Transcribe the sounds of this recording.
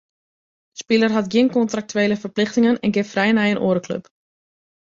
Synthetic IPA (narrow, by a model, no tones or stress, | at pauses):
spɪlˠərɦatɡjɪnkɔntrak̚tyeːləfərplɪxtɪŋənɛnɡɪffrɛjnɛjənʔo̰ːɾəklø̰p